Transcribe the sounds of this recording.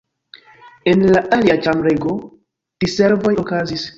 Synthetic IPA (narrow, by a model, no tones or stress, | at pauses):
enlaʔaliat͡ʃamɾeɡo | d̥iseɾvo̞jokazis